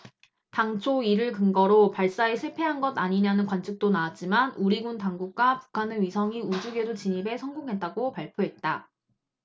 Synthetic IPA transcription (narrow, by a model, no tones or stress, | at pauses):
taŋt͡ɕʰoiɾɯɭkɯŋɡʌɾopaɭs͈aesʰɯpʰe̞ɦanɡʌdaɲiɲanɯnkwant͡ɕʰik̚t͈onaːt̚t͡ɕ͈imanuɾiɡuntaŋɡuk̚k͈wapu̥kʰanɯɥisʰʌŋiud͡ʑuɡe̞dot͡ɕiɲibe̞sʰʌŋɡoŋɦe̞t̚t͈aɡopaɭpʰjoɦe̞t̚t͈a